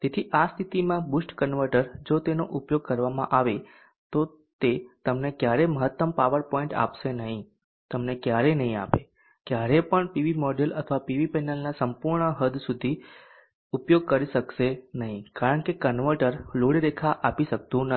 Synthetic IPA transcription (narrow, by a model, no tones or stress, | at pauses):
t̪et̪ʰiʔast̪ʰit̪imãbusʈkənʋəɾʈəɾd͡ʒot̪enoʔupjoɡ̚kəɾʋamã̰ʔaʋe | t̪o | t̪et̪əmnekjaɾeməɦət̪ːəmpaʋəɾpɔĩɳʈa̰pʃenəɦĩ | t̪əmnekjaɾenəɦĩa̰pe | kjaɾepəɳpiʋimɔɖelət̪ʰəʋapiʋipɛnəlnasəmpuɾɳəɦəd̪ʱsud̪ʱi | upjoɡ̚kəɾiʃəkʃenəɦĩkaɾəɳkekənʋəɾʈəɾloɽiɾekʰaʔapiʃək̚t̪ũnə